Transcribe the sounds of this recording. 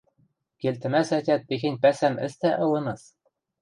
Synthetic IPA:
kʲelʲt̪ɘ̆næsætʲæt̪̚pexʲɘ̆nʲpæsænɘ̰̆st̪æʔɤ̆lɤ̆nɤ̆s

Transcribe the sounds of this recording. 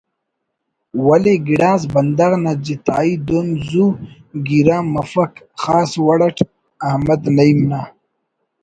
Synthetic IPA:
wɐleɡiɽaːs̬bɐnd̪aɣnad͡ʑit̪aːid̪onzu | ɡiɾaːmɐfɐk | xaːswaɽaʈʰ | ahmad̪naimna

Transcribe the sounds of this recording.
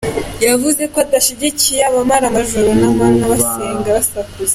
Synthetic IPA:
javuze̞koad̪aʃiɟicijaβamaɾamaʒuɾonaβaːnhaβaseːŋɡaβasakuze

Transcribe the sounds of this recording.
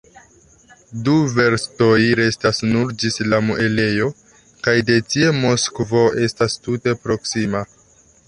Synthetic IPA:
duve̞ɾsto̞jɾe̞stasnuɾd͡ʒislamuʔe̞le̞jo̞ | kajde̞tie̞mo̞skvo̞e̞stastute̞pɾo̞ksima

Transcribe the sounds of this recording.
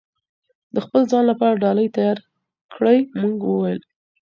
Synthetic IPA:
d̪əxpəlzɑnlapɑɾaɖɑləjt̪ajɑɾ | kʰɽəjmuɡwəwajəl

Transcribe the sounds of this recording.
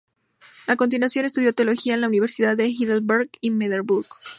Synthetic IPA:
ako̞nt̪inwasjo̞nest̪uðjo̞t̪eolo̞xiaenlauniβe̞ɾsiðaðexiðelbeɾɡinmeðeɾbuɾɡ

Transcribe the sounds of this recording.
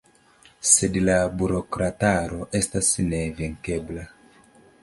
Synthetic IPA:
se̞dlabuɾo̞kɾataɾo̞ʔe̞stasne̞viŋke̞bla

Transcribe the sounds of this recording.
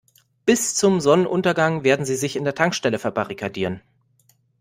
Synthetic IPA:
b̥ɪst͡sʊmzɔnənʔʊntɐɡaŋveːɐdn̩ziːzɪçɪndeːɐtʰaŋkʃtɛləfɛɐbaʁikʰadiːʁən

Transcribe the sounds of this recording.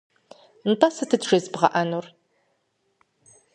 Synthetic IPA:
n̩tʼɐsɨtʰɨdʒɐzbʁɐ̰ʔɐnur

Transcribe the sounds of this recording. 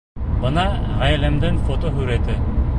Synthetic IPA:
bɤnɑʁæjlæmd̪ɘŋfot̪oɦɵ̆ɾæt̪ɘ

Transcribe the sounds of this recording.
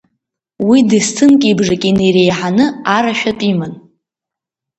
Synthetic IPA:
widistʰɨnkʲʼibʐakʲʼineɾejħanɨaɾaʃᶣatʼiman

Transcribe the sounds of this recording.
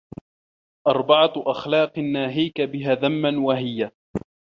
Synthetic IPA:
ʔɑɾˤbɑʕaʔaxlɑːqnːaːɦiːkabɪɦaːðamːanwaɦɪjːa

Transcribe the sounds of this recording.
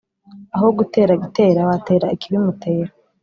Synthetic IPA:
aɦo̞ɡute̞ːɾaɡite̞ːɾawate̞ːɾaikiβimutʰeːɾa

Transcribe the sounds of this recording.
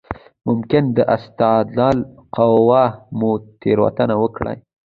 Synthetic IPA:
mʊmkɪnd̪əʔast̪ɑd̪lɑlqawɑmut̪ʰeɾwa̰t̪anawəkɽa̰j

